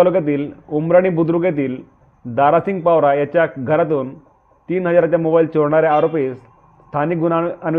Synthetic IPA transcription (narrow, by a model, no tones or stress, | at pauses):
alukjat̪̬iːlumɾaɽ̃ibud̪ɾukjat̪̬iːl | d̪aɾasiŋɡ̚pawɾajat͡ɕjaɡʱəɾat̪̬uːn | t̪iːnɦəd͡zaɾat͡ɕjamobailt͡ɕɔɽɳaɾeaɾopiːs | st̪ʰanik̚ɡunaən